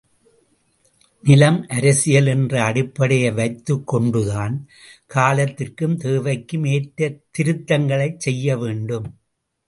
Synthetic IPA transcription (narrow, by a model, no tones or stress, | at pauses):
nɪlɐmʔɐɾɐsɪjɐlɛndrɐɐɽɪpːɐɽɐjɐʋɐɪt̪ːɯkːɔɳɖɯðaːn | kʰaːlɐt̪ːɪrkɯmt̪eːʋɐɪkːɯmeːʈɾɐt̪ːɪɾɯt̪ːɐŋɡɐɭɐɪt͡ʃsɛjːɐʋeːɳɖɯm